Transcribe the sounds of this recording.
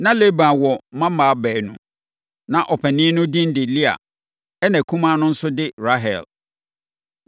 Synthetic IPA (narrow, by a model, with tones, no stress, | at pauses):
nã˦le˦bã˨wɔ˨˦mã˦mã˨˦bɛː˨nʊ̃˨ | nã˨ʔɔ˨pʰɛ˨nĩ˦nʊ̃˦dĩ˦n̩˦dɪ˨li˦a̰˨ | ɛ˦nã˨kʰũ˦mã˦nʊ̃˦n̩˦sʊ˦dɪ˦ɾa˦ɦɛ̰˨l